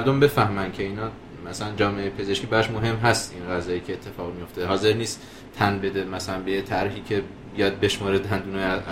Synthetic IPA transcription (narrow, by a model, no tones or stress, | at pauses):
æɾd̪ombe̞fæhmænd̪cʰe̞iːnɒː | mæsælænd͡ʒɒːmeejpʰe̞ze̞ʃkʲiːbæɾɒʃmoɦe̞mɦæst̪inɣæzɒːjiːcʰeːt̪ʰːe̞fɒːɣmijo̞ft̪eɦɒːze̞ɾniːst̪ | t̪ʰːænbe̞d̪emæsælænbejet̪ʰæɾɦiːcʰe̞ | bijɒd̪̚be̞ʃmɒːɾed̪ænd̪unɒ